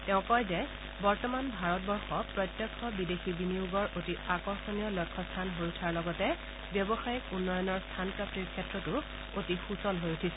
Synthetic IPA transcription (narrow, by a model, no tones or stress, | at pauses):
tɛʊ̃kɔjzɛ | bɔɹtɔmanbʱaɹɔt̚bɔɹxɔpɹɔjtjɔkʰːɔbidexibinijuɡɔɹʔotiakɔɹxɔniɔlɔkʰːɔstʰanɦoɹutʰaɹlɔɡɔtɛ | bjɔbɔxajikunːɔjɔnɔɹstʰanpɹap̚tiɹkʰɛtɹɔtʊ | otixusɔlɦojutʰisɛ